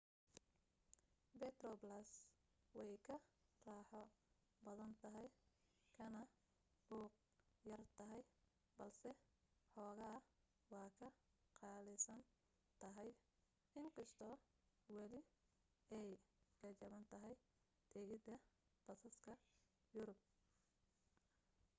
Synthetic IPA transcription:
bɛt̪rɔblɐs | wɛjkʰɐraːħɔ | bɐðɐnt̪ʰɐɦɛj | kʰɐnɐ | b̥uːq̚ | jɐrt̪ʰɐɦɛj | bɐlsɛ | ħɔːɣɐɐ | wɑːkʰɐqɑːlɪsɐn | t̪ʰɐɦɛj | ɪŋkʰɐst̪ʰɔː | wɐlɪ | ɛjkɐt͡ʃɐβɐnt̪ʰɐɦɛj | d̪̥ʰɛɣɪdɐ | b̥ɐsɐskʰɐ | jʊɾʊb̚

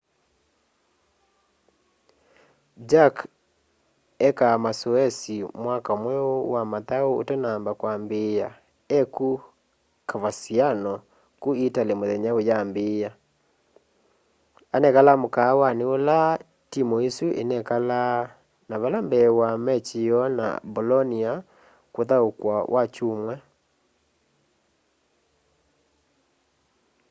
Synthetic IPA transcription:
d͡ʒak | ɛkamasoɛsimwakaomwɛowamataoo̰tanambakwambeja | ɛku | kʰaβasianɔ | kuitalemoðɛɲaojambeːja | anɛkalamokaːwaneola | timɔesuʔḛnɛkala | naβalambɛwamɛt͡ʃiɔna̰bolɔnia | koðaokwawʔat͡ʃumwɛ

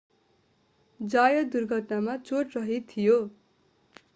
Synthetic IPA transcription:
d͡zajʌd̪urɡʱʌt̪namat͡soʈrʌɦet̪ʰijo

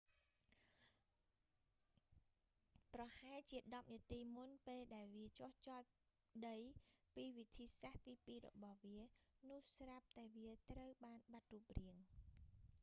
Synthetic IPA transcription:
prɑhaɛlt͡ɕiəɗɑp̚niət̪iːmunpeːlɗaɛlʋiət͡ɕŏht͡ɕɑːt̪̚ | ɗəjpiːʋit̪ʰiːsaht̪iːpiːrɔ̰ɓɑhʋiənʊ̆əhsrap̚t̪aɛʋiət̪rəwɓaːnɓat̪̚ruːp̚riəŋ

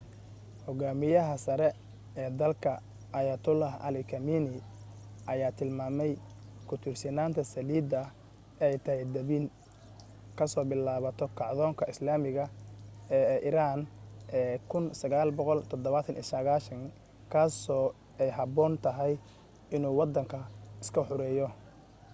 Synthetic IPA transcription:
hɔɣaːmɪjɐɦɐsɐɾɛ | ɛːd̪ɐlkʰɐ | ɐjɐt̪ʰʊlahɐ̰lɪkʰɐmiːnɪ | ʔɐjaːt̪ʰɪlmaːmɛjkʰʊt̪ʰɪrsɪnaːnt̪ʰɐsɐliːd̪ɐ | ɛjt̪ʰɐɦɛjd̪ɐβiːn | kʰɐsɔːbɪlaːβɐt̪ʰɔkʰɑʕðɔːŋkʰɐɪslaːmɪɣɐ | ʔɪɾaːnʔɛːkʰʊnsɐɣaːlbɔqɔlt̪ʰɔd̪ɔβɐt̪ʰɐnḭsɐɣaːʃɐŋ | kʰaːsɔː | ɛjɦɐbɔːnt̪ʰɐɦɛj | ɪnuːwɑd̪ɐŋkʰɐɪskʰɐħʊɾɛːjɔ

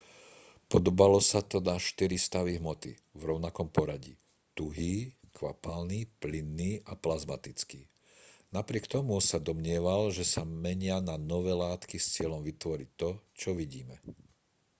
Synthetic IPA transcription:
pɔd̪ɔbalɔsat̪ɔnaʃt̪iɾist̪aʋiɦmɔt̪ḭ | vɾɔʊnakɔmpɔɾaɟḭ | t̪uɦiːkʋapalniːplinːiːʔaplazmat̪it͡skiː | napɾɪɛkt̪ɔmusad̪ɔmɲɪɛʋalʒɛsamɛɲɪananɔʋɛːlaːt̪kist͡sɪɛlɔmʋit̪ʋɔɾic̚t̪ɔt͡ʃɔʋiɟiːmɛ

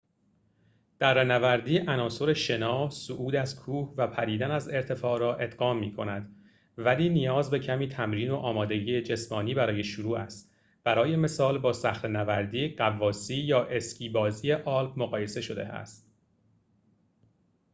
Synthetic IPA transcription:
d̪̥æɾːenævæɾd̪iːʔænɒːso̞ɾeʃe̞nɒːsoʔuːd̪æzkʰuːhvæpʰæɾiːd̪ænæze̞ɾt̪ʰe̞fɒːɾɒːʔe̞d̪ɢɒːmːiːkʰo̞næd̪ | væliːnijɒːzbe̞cʰæmiːt̪ʰæmɾiːnoʔɒːmɒːd̪e̞ɡiːed͡ʒe̞smɒːniːbæɾɒːje̞ʃuɾuːʔæst̪ | b̥æɾɒːje̞me̞sɒːlbɒːsæxɾenævæɾd̪iːɢævːɒːsiːjɒːʔe̞scʰiːbɒːziːje̞ʔɒːlbmoɣɒːje̞se̞ʃod̪e̞̰æ̰st̪

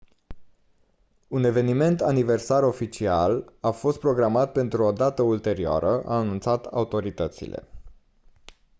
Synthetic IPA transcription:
une̞ve̞nime̞nt̪anive̞rsaɾo̞fit͡ʃialafo̞st̪pɾo̞ɡɾamat̪̚pe̞nt̪ɾuo̞d̪at̪əult̪e̞ɾioa̰ɾəʔa̰ːnunt̪sat̪a̰ut̪o̞ɾit̪ət̪sḭle̞̰

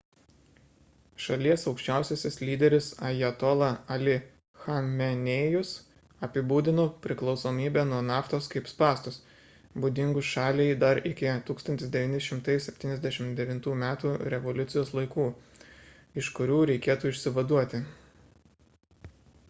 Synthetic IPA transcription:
ʃɐlʲiɛsɒʊkʃʲt͡ʃʲæˑʊsʲesʲɪslʲiːd̪ʲɛɾʲɪsɐjɛt̪ɔlˠɐɐlʲɪ | xɐmʲɛnʲejʊs | ɐpʲɪbuːd̪ʲɪnoːpʲɾʲɪklˠɒʊsoːmʲiːbʲɛːnuɔnɑːft̪oːskɐɪpspɑːst̪ʊs | bud̪ʲɪŋɡʊsʃɑːlʲɛɪd̪ɐɾɪkʲɪt̪uːkst̪ɐnʲt̪ʲɪsd̪ʲɛʋʲiːnʲɪʃʲɪmt̪ɐɪsʲɛpʲt̪ʲiːnʲɛzʲd̪ʲæɛʃʲɪmd̪ʲɛʋʲɪnt̪uːmʲæːt̪uːɾʲɛʋɔlʲʊt̪sʲɪjoːslˠɐɪkuː | ɪʃkʊɾʲuːɾʲɛɪkʲeɛt̪uːɪʃʲsʲɪʋɐd̪uɔt̪ʲɪ

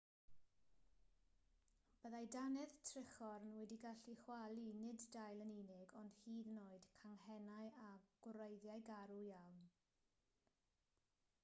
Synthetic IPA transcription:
b̥əðajdanɛðtʰrɪχɔɾnwɛdiɡaɬiχwalˠinɪddajlˠəninɪɡɔnd̥hiːðnoːɨd̥kʰaŋhɛnajaɡ̥ʊɾejðjajɡaɾujawn

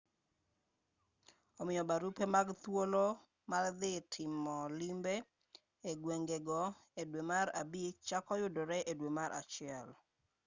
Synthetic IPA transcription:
ɔmɪjɔbaɾupemaɡt̪wolo | mald̪ɪtʰɪmɔlimbe | eɡweŋɡeɡɔedwemaɾabik̚t͡ʃakɔjʊdoɾɛʔedwemaɾʔa̰t͡ʃɪɛl

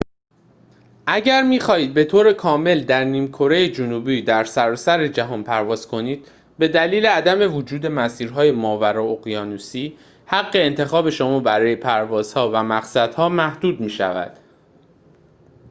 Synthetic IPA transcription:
ʔæɟæɾmiːxɒːhiːd̪̚be̞t̪ʰoːɾe̞kʰɒːme̞ld̪æɾniːmkʰo̞ɾe̞jed͡ʒonuːbiːd̪æɾsæɾɒːsæɾe̞d͡ʒæɦɒːnpʰæɾvɒːz̥kʰo̞niːd̪̥̚ | be̞d̪æliːle̞æd̪æme̞vod͡ʒuːd̪e̞mæsiːɾɦɒːje̞mɒːvæɾɒoɣijɒːnuːsiː | hæɣːe̞ːnt̪ʰe̞xɒːbe̞ʃomɒːbæɾɒːje̞pʰæɾvɒːz̥hɒːvæmæɣsæd̪̥hɒːmæhd̪̥uːd̪miːʃæ̰væ̰d̪̥

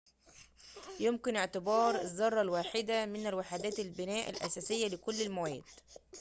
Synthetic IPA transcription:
jʊmkɪnɪʕt̪ɪbɑːɾˤɪzːɑrˤːɑlwaːħɪd̪amɪnælwaħad̪æːt̪ɪlbɪnæːʔɪ̰lʔæ̰sæːsɪjːælɪkʊlːɪlmæwæːd̪

